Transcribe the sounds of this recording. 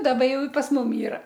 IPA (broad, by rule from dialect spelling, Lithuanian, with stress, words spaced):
ˈdɑːbɐ ˈjɛʊ ɪ pɐs ˈmʊm ˈiːrɐ